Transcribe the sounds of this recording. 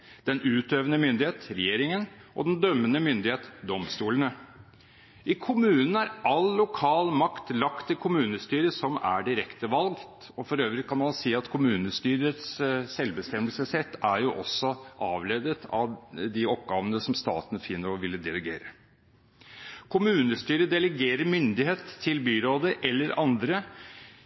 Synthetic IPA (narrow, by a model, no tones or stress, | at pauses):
d̪̥ɛnʉːt̪øːʋənəmʏnd̪ɪheːt̪ɾɛjeːɾɪŋənʔɔ̰d̪ɛnd̪œmːənəmʏnd̪ɪheːt̪d̪ɔmst̪uːlənə | ʔɪkʰʊmʉːnn̩æɾɑlːʊkʰɑːlmɑkt̪lɑkt̪ʰːɪlkʰʊmʉːnəst̪yːɾəsɔmæ̰ɖɪɾɛkt̪əʋɑlɡt̪ | ɔfɔɾøːʋɾɪkʰɑnmɑnsiːɑt̪kʰʊmʉːnəst̪yːɾət̪ssɛlbəst̪ɛmːəlsəsɛt̪ːæɾjʊʔɔsːɔʔɑːʋleːd̪ət̪ʰɑʋd̪ɪɔp̚ɡɑːʋənəsɔmst̪ɑ̰ːt̪n̩fɪnːəɾɔʋɪlːəd̪ɛləɡḛːɾə | kʰʊmʉːnəst̪yːɾəd̪ɛləɡeːɾəɾmʏnd̪ɪheːt̪ʰːɪlbyːɾoːd̪əʔɛlːəɾɑnd̪ɾə